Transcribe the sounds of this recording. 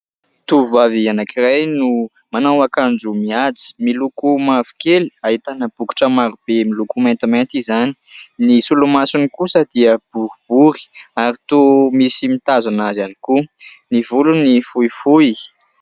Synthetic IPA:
t̪uvuavianakirajnu | manawakand͡zumiat͡si̥milukumavi̥keliaɦit̪anəb̥uku̥ʈ͡ʂəmaɾub̥emilukumant̪imant̪izani̥nisulumasunikusəd̪̥iəb̥uɾib̥uɾi̥aɾit̪omisimit̪azanazani̥kunivulunifuifu

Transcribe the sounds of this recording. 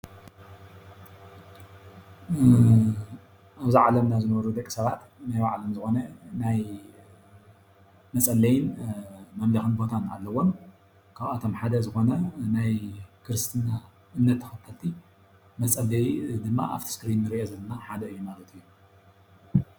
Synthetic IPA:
ʔaβziʕalɐmnazɨnɐβɐɾud̪ɐkʼi̥sɐβat̪najbaʕlɐmzɨxo̞nɐnaj | mɐt͡sʼɐlːɐjɪnmɐmlɐxɨnbo̞t̪ʰana̰lːɐwon | kʰaβat̪ʰo̞mħad̪ɐzɨxo̞nɐnajkʰɨɾɨst̪ʰɨnːa | ʔɨmnːɐt̪ʰːɐ̥xɐt̪ʰːɐt̪ʰi | mɐt͡sʼɐlːɐjd̪ɨmːa̰ʔa̰ft̪ʰi̥skɨɾinːɨɾiʔozɐlːɐnaħad̪ɐɨjːumalɐt̪ʰujːu

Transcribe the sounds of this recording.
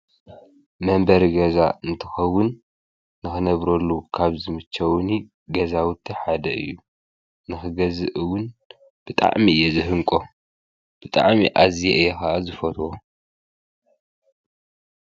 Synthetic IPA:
mɐmbɐɾiɡɐzaɨnt̪ʰɨxɐwːʊnː | ɨxɨnɐβɾɐlːukʰaβzɨmɨt͡ʃʰːɐwni | ɡɐzawʊt̪ʰːiħad̪ɐɨ̰jːu | nɨxɨɡɐzɨʔɨwːʊn | b̥ɨt̪ʼa̰ʕmiɨjːezɨɦɨŋkʼo̞ | b̥ɨt̪ʼa̰ʕmiʔazijeʔɨjexɐʔazɨfɐt̪ʰwo

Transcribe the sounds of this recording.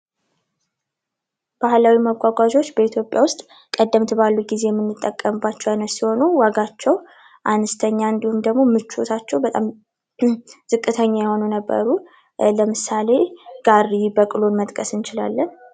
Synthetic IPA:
b̥ahlawimaɡʷaɡʷad͡ʒo̞t͡ʃːbəit̪ʰjo̞pʼːjawʊst̪ʼ | kʼəd̪ːəmt̪ʰɨbalːuɡize̞jɛmːɨnːɨt̪ʼːəkʼːəmɨbːat͡ʃːɛwjanəsiho̞nuwaɡat͡ʃːɛw | ʔanəst̪ʰəɲːaɨnd̪ihumd̪əɡmo̞mɨt͡ʃːo̰t̪ʰat͡ʃːɛwbət̪ʼa̰m | z̥ɨkʼːɨt̪ʰəɲːajɛho̞nunəbːə̰ɾu | ləmɨsale̞ɡ̥aɾibəkʼɨlonmət̪ʼkʼəsɨnt͡ʃɪla̰lːən

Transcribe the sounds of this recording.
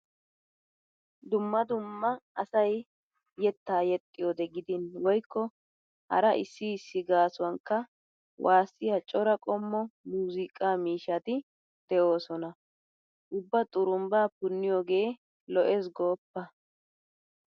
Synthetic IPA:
d̪ʊmːɐd̪ʊmːɐɐsɐj | jːɛt̪ːaːjɛt̪ʼːɪjod̪ɛɡɪd̪ɪnwɔjkːɔ | hɐ̰ɾɐʔɪsːɪːsːɪɡaːsʊwɐŋkːɐ | wʔaːsːɪjɐt͡ʃʼɔɾɐkʼɔmːɔmuːzɪkʼaːmiːʃɐt̪ɪ | d̪̥ɛʔo̞ːsɔnɐ | ʔʊbːɐt̪ʼʊɾʊmbaːpʊnːɪjɔɡe̞ː | lɔʔes̬ɡoːpːɐ

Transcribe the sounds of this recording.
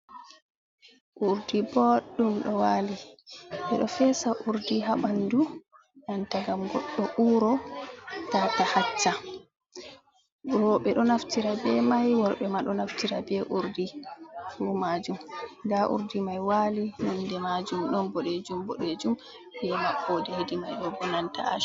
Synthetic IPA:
ʔuɾdibɔɗːumɗɔwaːliɓɛɗɔfɛsaʔuɾdiɦaɓandu | jantaɡamɡɔɗːɔʔuːɾɔ | tatahat͡ʃːa | wɔɓɛɗɔnaftiɾabɛmajwɔɾɓɛmaɗɔnaftiɾabɛʔuɾdifumad͡ʒumɡaʔṵɾdimajwalinɔndɛmad͡ʒumɗɔnbɔɗed͡ʒumbɔɗed͡ʒum | bɛmaɓɔdɛhedimajɗɔbɔnanta̰a̰ʃ

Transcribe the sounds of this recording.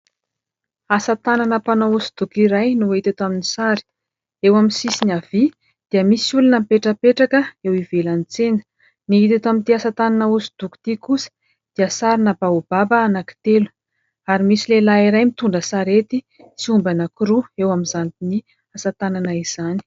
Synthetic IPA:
asat̪ananəpanausud̪̥ukiɾajnuit̪et̪aminisaɾi̥ | ewaminsisinavi | d̪̥iəmisulunəmpeʈ͡ʂəpeʈ͡ʂakəewivelanit͡senə̥ | niɦit̪et̪amint̪iasat̪ananəusi̥d̪̥uku̥t̪ikusə̥ | d̪̥iəsaɾinəbaub̥abəanaki̥t̪elu̥ | aɾimisilelaiɾajmit̪uɳɖ͡ʐəsaɾet̪i | siumbanakiɾuewaminzanik̪ini | asat̪ananəiz̥ani̥

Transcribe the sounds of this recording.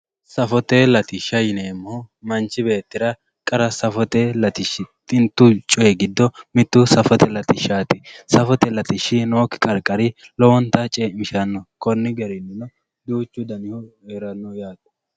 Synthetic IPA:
sɐfɔt̪elɐt̪ɪʃːɐjɪneːmːomɐnt͡ʃːɪbe̞ːt̪ːɪɾɐ | kʼɐɾɐsɐfɔt̪elɐt̪ɪʃːɪt̪ʼːɪnt̪ːʊt͡ʃʼɔjɛɡɪd̪ːɔmɪt̪ːʊsɐfɔt̪ʰɛlɐt̪ɪʃːaːt̪ɪsɐfɔt̪ɛlɐt̪ɪʃːɪnoːkːɪ̥kʼɐɾkʼːɐɾɪ | lɔwɔnt̪ɐt͡ʃʼemɪʃɐnːɔkɔnːɪɡɛɾɪnːɪnɔ | d̪uːt͡ʃːʊd̪ɐnɪhʊeɾɐnːɔjaːt̪ʊ̥

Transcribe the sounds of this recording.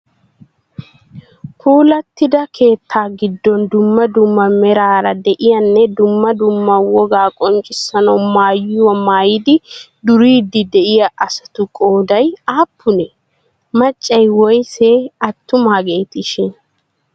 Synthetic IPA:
kʰuːlɐt̪ːɪd̪ɐkʰe̞ːt̪ʰːaːɡɪd̪ːɔnd̪ʊmːɐd̪ʊmːɐmɛɾaːɾɐd̪ɛʔɪjɐnːɛd̪ʊmːɐd̪ʊmːɐwɔɡaːkʼɔnt͡ʃʼɪsːɐnɐwmaːjʊwɐmaːjɪd̪ɪ | d̪ʊɾiːd̪ɪd̪ɛʔɪjɐɐsɐ̥t̪ʊkʼoːd̪ɐjaːpʰːʊnɛ | mɐt͡ʃʼːɐjwɔjseɐt̪ːʊmaːɡeːt̪ɪʃɪn

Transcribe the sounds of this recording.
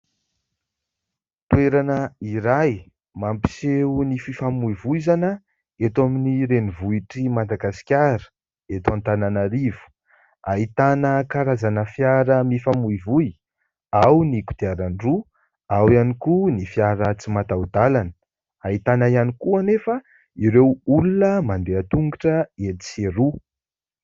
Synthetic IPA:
t̪weɾanəiɾaj | mampi̥seunififamuivuizanə | et̪ominiɾenivuiʈ͡ʂimad̪aɡasi̥kʲaɾə̥ | et̪ãnt̪ananaɾivu̥ | ait̪anəkaɾazanəfjaɾəmifamuivuj | awniku̥d̪̥iaɾaɳɖ͡ʐu | awianikunifjaɾət͡simat̪aud̪alanə | ait̪anaijanikuanefə | iɾewulunəmaɳɖ͡ʐeat̪uŋɡaʈ͡ʂəeti̥seɾu

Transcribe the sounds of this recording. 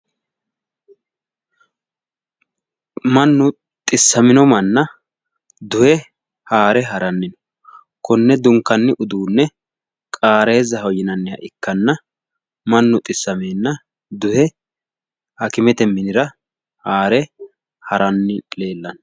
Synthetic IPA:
mɐnːʊ | t̪ʼɪsːɐmɪnɔmɐnːɐ | d̪ʊhɛ | haːɾɛɦɐɾɐnːɪnɔ̥ | kʰɔnːɛd̪ʊŋkːɐnːɪʔʊd̪uːnːɛ | kʼaːɾe̞ːzɐɦɔjɪnɐnːɪhɐ̰ʔɪkːɐnːɐ | mɐnːʊt̪ʼɪsːɐmeːnːɐ | d̪ʊhɛ | hɐkɪmɛt̪ɛmɪnɪɾɐ | haːɾɛ | hɐɾɐnːɪle̞ːlːɐn

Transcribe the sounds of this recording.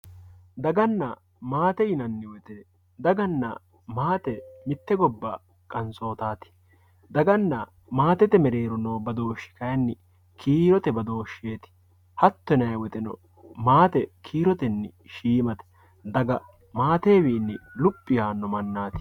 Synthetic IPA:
d̪ɐɡɐnːɐ | maːt̪ɛjɪnɐnːɪwɛt̪ɛ | d̪ɐɡɐnːɐ̰ | maːt̪ɛmɪt̪ːɛɡɔbːa̰ː | kʼɐnso̞ːt̪aːt̪ɪ̥ | d̪ɐɡɐnːɐ | maːt̪ɛt̪ɛmɛɾe̞ːɾɔnoːbɐd̪o̞ːʃːɪ̥kɐjɐnːɪ | kʰiːɾɔt̪ɛbɐd̪o̞ːʃeːt̪ɪ̥ | hɐt̪ːɔnɐjwɛt̪ɛnɔ̰ | maːt̪ɛkʰiːɾɔt̪ɛnːɪ̰ʃiːmɐt̪ɛ̥ | d̪ɐɡɐ | maːt̪eːwiːnːɪlʊpʼːɪjaːnːɔmɐnːaːt̪ɪ̥

